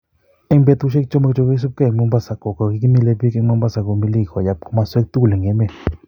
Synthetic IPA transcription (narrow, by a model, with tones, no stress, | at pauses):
e˦ŋmbe˧t̪u˧ʃ̬e˦k̚t͡ʃo˦ma˧kt͡ʃo˧ɡe˦s̬u˦p̚ke˦˧˨ŋmo˧˦mba˦sa˨ko˨ko˨ɡi˧kmi˦˧le˧bi˦ke˧ma˧mba˦sa˧ko˨mbi˧li˦˧kʷa˨ja˧p̚ko˧ma˧˦swe˦k̚t̪u˦˨le˨ŋɡe˧˨me˧